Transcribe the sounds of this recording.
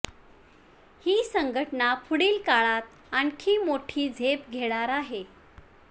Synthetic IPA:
hiːsəŋɡʱəʈnapʰuɽiːlkaɭat̪̚ | ankʰiːmoʈʰiːd͡zʱepɡʱeɭ̃aɾaɦe

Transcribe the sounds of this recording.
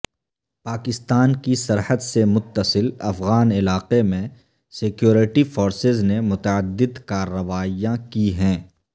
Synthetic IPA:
paːkɪst̪aːnkisɐɾhəd̪semʊt̪ːəsɪlɐfɣaːnɪlaːqemẽ | sɪkjoːɾɪʈifoːɾsɪznemʊt̪əəd̪ːɪd̪kaːɾːəʋaːijãkiɦɛ̃ː

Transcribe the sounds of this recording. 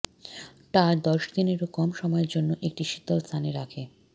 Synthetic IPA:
ʈad̪ɔʃd̪ineɾokɔmʃɔmɔeɾd͡ʑonːoʔek̚ʈiʃit̪olst̪ʰaneɾakʰe

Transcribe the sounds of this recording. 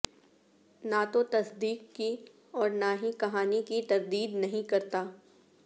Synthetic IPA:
nat̪ot̪ɐsd̪iːkːi | ɔːɾnaɦĩkɐɦaːnikit̪ɐɾd̪iːd̪nɐɦĩkɐɾt̪aː

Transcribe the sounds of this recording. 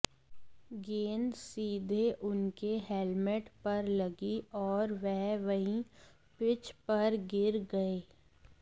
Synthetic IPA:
ɡeːnsiːd̪ʱeʔʊnkeɦelmɪʈpɐɾlɐɡiɔːɾʋɛɦʋɐɦĩ | pɪt͡ʃpɐɾɡɪɾɡɐeː

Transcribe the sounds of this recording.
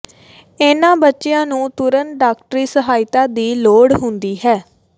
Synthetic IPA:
eːnãːbətːʃejãːnũːt̪ʊɾənɖaːkʈəɾiːsəɦaːɪt̪ãːd̪iːloːɽɦʊnd̪iːɦɛː

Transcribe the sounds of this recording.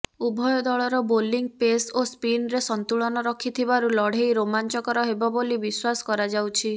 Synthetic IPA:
ubʱɔjɔd̪ɔɭɔɾɔboliŋɡ̚pesospinɾesɔnt̪uɭɔnɔɾɔkʰit̪ʰibaɾulɔɽ̤ejɾomant͡ʃɔkɔɾɔɦebɔbolibiswasɔ̥kɔɾad͡ʒawt͡ʃʰi

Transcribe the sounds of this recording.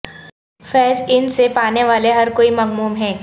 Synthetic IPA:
fɛːzɪnsepaːneʋaːleɦɐɾkoːimɐɡmuːmɦɛ̃ː

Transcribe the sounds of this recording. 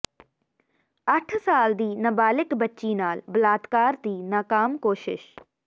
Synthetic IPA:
ɐʈʰsaːld̪iːnɐbaːlɪkbɐtːt͡ʃiːnaːlbɐlaːd̪kaːɾd̪iːnaːkaːmkoːʃɪ̰ʃ

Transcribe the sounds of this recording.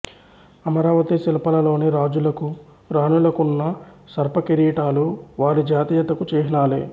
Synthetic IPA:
ɐmɐɾaːʋɐt̪isilɐpɐlɐlo̞ːneɾaːd͡ʒulɐku | ɾaːnulɐkunːɐ | sɐɾpɐkeɾiːʈaːluʋaːɾid͡ʒaːt̪ijɐt̪ɐkut͡ʃeːɦinaːlḛː

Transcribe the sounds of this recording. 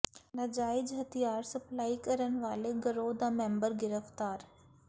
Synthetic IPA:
nɐd͡ʒaːɪd͡ʒɦɐt̪ʰijaːɾsɐplaːikɐɾənɪ̆ʋaːleɡɐɾoːd̪amɛ̃ːmbəɾɡɪɾəft̪aːɾ

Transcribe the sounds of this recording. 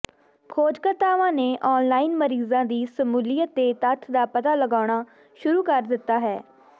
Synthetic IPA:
kʰoːd͡ʒkət̪aːʋãːneːʔɔːnlaːinməɾiːzãːd̪iːsəmuːlijət̪ːeːt̪ət̪ʰd̪aːpət̪aːləɡaːɽ̃aː | ʃʊɾuːkəɾd̪ɪt̪ːaːɦɛː

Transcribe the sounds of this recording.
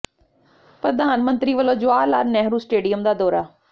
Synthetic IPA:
pɾəd̪aːnmənt̪ɾiːʋəlõːd͡ʒʊaːlaːɾnɛːɦɾuːsʈeːɖijəmd̪aːd̪ɔːɾaː

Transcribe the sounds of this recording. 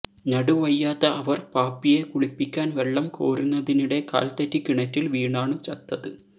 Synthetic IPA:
nɐɽuʋɐjːaːt̪ːɐʔɐʋɐrpaːpːije̞kuɭipːikʲːaːnʋe̞ɭːɐmko̞̰ːɾunːɐðiniɽe̞ka̰ːlt̪ɐtːikiɳɐtːilʋiːɳaːɳɨt͡ɕɐt̪ːɐðɨ

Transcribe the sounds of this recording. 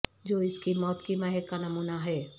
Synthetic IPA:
d͡ʒoːɪskimɔːt̪kimɛɦɛt̪kanɐmuːnaɦɛː

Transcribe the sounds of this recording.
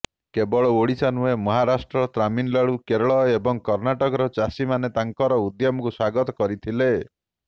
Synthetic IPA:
kebɔɭɔoɽisanuemɔɦaɾasʈɾɔt̪ɾaminlaɭukeɾɔɭɔebɔŋkɔɾnaʈɔkɔɾɔt͡ʃasimanet̪aŋkɔɾɔud̪jɔmɔkuswaɡɔt̪ɔkɔɾit̪ʰile

